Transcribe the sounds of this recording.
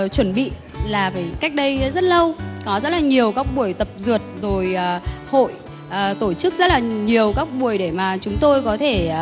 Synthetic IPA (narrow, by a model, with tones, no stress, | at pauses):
t͡ɕwə˧˩nɓḭ˧˨ | laː˨˩vəː˨˦jka˦˥jk̟̚ɗə˧jzə˦˥t̚lə˧wkɔ˨˦zə˦˥t̚laː˨˩ɲi˨˩əwkaː˦˥k̚ɓu˧˩əjt̪ə˨˩p̚zɨ˨˩ət̚zo˨˩jːho̰˧˨j | ʔəː˨˩t̪o˧˩t͡ɕɨ˦˥k̚zə˦˥laː˨˩ɲi˨˩əwkaː˦˥k̚ɓu˧˩əjɗe˧˩maː˨˩t͡ɕʊ˨˦ŋ͡mt̪o˧jkɔ˨˦t̪ʰe˧˩